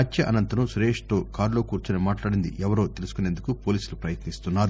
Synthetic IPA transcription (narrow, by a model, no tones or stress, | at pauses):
ɐt͡ʃːɐʔɐnɐnt̪ɐnusɾeːʂʈ̪o̞ːkaːɾlo̞ːkuːɾt͡ʃunemaːʈlaːɽind̪iʔɛʋɐɾo̞ːt̪elusu̥kunend̪ukupo̞ːliːsulupɾɐjɐt̪nist̪unːaːɾu